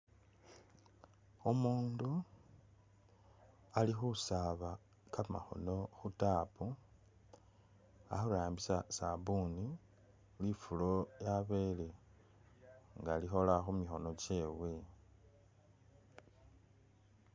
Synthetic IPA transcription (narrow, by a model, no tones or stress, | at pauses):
omuːndu | alixusaβa | kama̰xo̞̰no̞xutaːpu | a̰xuɾaːmbisasabuni | lifulojaβe̞ːle | ŋɡalixo̞laxumixo̞no̞t͡ʃe̞ːwe̞